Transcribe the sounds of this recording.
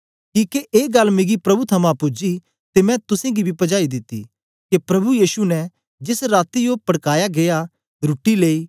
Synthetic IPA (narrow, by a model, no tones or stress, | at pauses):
kiːkeʔeːɡɐlmɪɡipɾɐbut̪ʰɐmãpʊd͡ʒi | t̪emɛ̃t̪ʊsẽɡibʱipɐd͡ʒaːid̪ɪt̪ːḭ | kepɾɐbujiːʃunɛ | d͡ʒɪsɾaːt̪ijopɐɽkaːjaɡeja | ɾʊʈileːi